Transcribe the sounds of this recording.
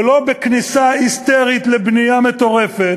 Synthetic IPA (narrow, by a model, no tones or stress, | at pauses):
lo̞beknisaist̪eʁit̪lebnijamet̪o̞ʁefet